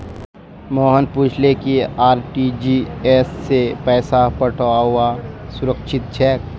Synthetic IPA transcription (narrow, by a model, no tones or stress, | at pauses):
mɔːɦənpuːt͡ʃʰlekiaːɾʈid͡ʒieːsːepɛːsapəʈʰoaɦʊasʊɾəkʃɪt̪̚t͡ʃʰɛːk̚